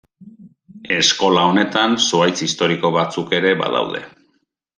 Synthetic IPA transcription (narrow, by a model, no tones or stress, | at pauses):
e̞sko̞lao̞ne̞t̪ansuajt͡sist̪o̞ɾiko̞βat͡suke̞ɾe̞βa̰ða̰wðe̞̰